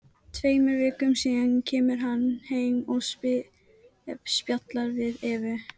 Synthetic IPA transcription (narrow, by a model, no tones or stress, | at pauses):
t̪ʰveːjmɛɾvɪːkʏmsiːðancʰɛːmɪɾ̥ɦanːheːjmɔspɪ | ɛpspjat̪laɾvɪðɛːvʏ